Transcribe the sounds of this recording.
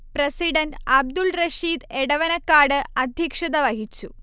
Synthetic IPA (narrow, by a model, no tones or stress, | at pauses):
prɐsiɽɐnɖɐb̚d̪ulrɐʂiːd̪eɽɐʋɐnɐkːaːɽɨɐd̪ʱjɐkʂɐd̪ɐʋɐɦit͡ɕːu